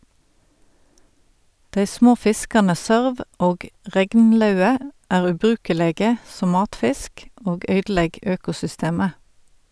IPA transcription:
ˈdeɪ ˈsmoː ˈfɪskɑnə ˈsøːʁʋ ˈʔoːɡ ˈʁɛɡnˌlœʉə ˈʔæːʁ ʉːˈbʁʉːkəleːɡə ˈsɔm ˈmɑːtˌfɪsk ˈoːɡ ˈœʏdˌlɛɡ ˈøːkʊsʏˌsteːmə

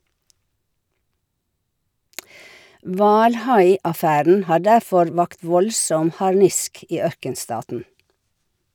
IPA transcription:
ˈʋɑːlˌhɑɪɑˌfæɾn̩ ˈhɑː ˈɖæfɔɾ ˈʋɑkt ˈʋɔlsɔm hɑɾˈnɪsk ˈiː ˈœɾkənˌstɑːtn̩

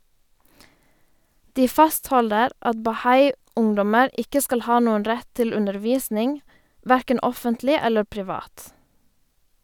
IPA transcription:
ˈdiː ˈfɑsthɔldəɾ ˈɑt bɑˈhɑɪ ˈʊŋdɔməɾ ˈɪkə ˈskɑl ˈhɑː ˈnuːən ˈɾɛt ˈtɪl ˌʉndəʁˈʋiːsnɪŋ ˈʋæɾkən ˈɔfəntlɪ ˈɛlə pɾɪˈʋɑːt

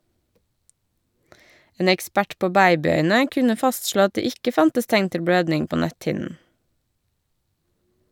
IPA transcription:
ˈeːn ɛkˈspæʈ ˈpoː ˈbæɪbɪˌœʏnə ˈkʉnə ˈfɑstˌʃloː ˈɑt ˈdeː ˈɪkə ˈfɑntəs ˈtæŋn ˈtɪl ˈbɽøːdnɪŋ ˈpoː ˈnæthɪnn̩

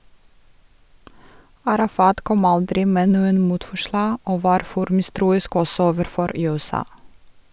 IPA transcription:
ɑɾɑˈfɑːt ˈkɔm ˈɑldɾɪ ˈmeː ˈnuːən ˈmuːtfɔˌʃlɑː ˈoː ˈʋɑːɾ ˈfɔɾ ˈmɪˌstɾuːɪsk ˈɔsɔ ˈoːʋəɾˌfɔɾ ˌjʉːɛˈsɑː

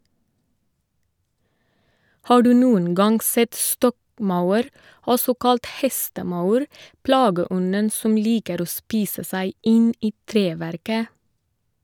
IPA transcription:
ˈhɑː ˈɖʉː ˈnuːən ˈɡɑŋɡ ˈsɛt ˈstɔkˌmɑʉəɾ ˈɔsɔ ˈkɑlt ˈhɛstəˌmɑʉɾ ˈplɑːɡəˌɔnən ˈsɔm ˈliːkəɾ ˈoː ˈspiːsə ˈsæɪ ˈɪn ˈiː ˈtɾeːˌʋæɾkə

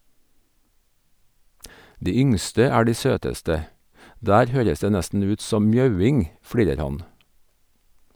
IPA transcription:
ˈdiː ˈʏŋstə ˈæː ˈɖiː ˈsøːtəstə ˈdæːɾ ˈhøːɾəs ˈdeː ˈnæstn̩ ˈʉːt ˈsɔm ˈmjɑʉˌɪŋ ˈfɽiːɾəɾ ˈhɑn

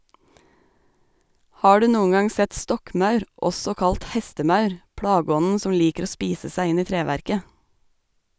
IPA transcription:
ˈhɑː ˈɖʉ ˈnuːʊŋ ˈɡɑŋ ˈsɛt ˈstɔkˌmɑʉɾ ˈʔɔsɔ ˈkɑlt ˈhɛstəˌmɑʉɾ ˈpɽɑːɡɔnn̩ ˈsɔm ˈliːkəɾ ˈoː ˈspiːsə ˈsæɪ ˈɪn ˈiː ˈtɾeːʋæɾkə

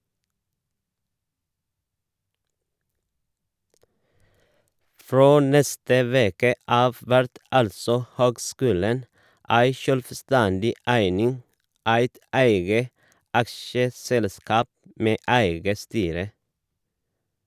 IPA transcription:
ˈfɹoː ˈnɛstə ˈʋeːkə ˈɑːʋ ˈʋæɾt ˈɑlsɔ ˈhøːɡˌskʉːlən ˈæɪ ʃœlʋˈstændɪ ˈæɪnɪŋ ˈæɪt ˈæɪɡə ˈʔɑkʃəˌsɛlˌskɑːp ˈmeː ˈæɪɡə ˈstyːɾə

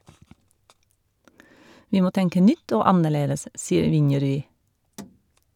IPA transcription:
ˈʋiː ˈmoː ˈtɛŋkə ˈnʏt ˈoː ˈɑnəˌɭeːdəs ˈsiːəɾ ˈʋɪnjɛɾʉˌiː

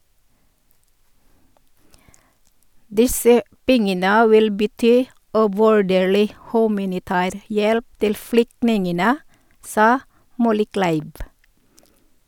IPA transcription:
ˈdɪsə ˈpɛŋənə ˈʋɪl bəˈtyː ʉʋʉˈɖeːɭɪ ˈhʉːmɑnɪˌtæːɾ ˈjɛlp ˈtɪl ˈflʏktnɪŋənə ˈsɑː ˈmɔləˌklæɪʋ

